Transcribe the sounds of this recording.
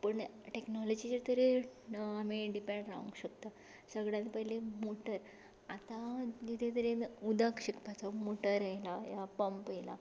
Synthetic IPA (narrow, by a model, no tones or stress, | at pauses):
pəɳʈeknɔlod͡ʑit͡ɕeɾt̪əɾeamiɖipẽɳɖɾa̰ṵŋɡɕəkt̪a | səɡɭjãnipəɦilemoʈəɾ | at̪ãd͡ʑit̪ʰet̪əɾenud̪akɕikpat͡samoʈəɾajlajapəmpjela